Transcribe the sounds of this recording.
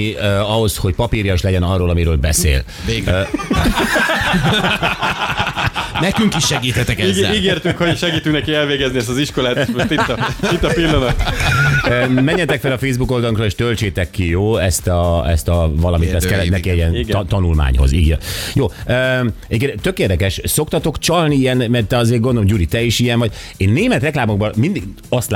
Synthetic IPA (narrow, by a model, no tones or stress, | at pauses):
iøɒɦo̞sho̞c̚pɒpiɾjɒʃlɛɟɛnɒrːoːlɒmiɾøːlbɛsḛːl | nɛkyŋkiʃːɛɡiːt̪hɛt̪ɛkɛiɡeːrt̪ykhoʃɛɡiːt̪yknɛkiɛlveːɡɛzniɛst̪ɒziʃko̞laːt̪it̪ːit̪ːɒpilːɒnɒt̪ | ømɛɲːɛt̪ɛkfɛlɒfeːzbuko̞ld̪ɒloŋkrɒeːʃt̪ølt͡ʃeːt̪ɛkːijoːɛst̪ɒɛ̰st̪ɒvɒlɒmit̪ːɛskɛlːɛt̪nɛkiɛiɛnt̪ɒnulma̰ːɲɦo̞̰zḭɡjɛ̰joːøːɛɟepkent̪økeːrd̪ɛkɛʃso̞kt̪ɒt̪o̞kt͡ʃɒlniijɛnmɛrt̪ɛɒzeːɡond̪olmoɟuɾit̪ɛiʃijɛɱvɒɟ | eːnːeːmɛt̪rɛklaːmoɡ̚bɒmind̪iɡ | ɒst̪